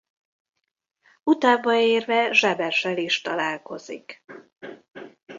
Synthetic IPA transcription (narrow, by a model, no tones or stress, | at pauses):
ut̪aːbɒeːrvɛʒɛbɛʃɛliʃt̪ɒlaːlko̞zḭk